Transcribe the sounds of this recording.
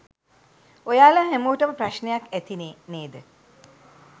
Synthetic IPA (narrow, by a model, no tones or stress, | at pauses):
ojaːlaɦemoːʈəməpraʃnejakæt̪ineːneːd̪ə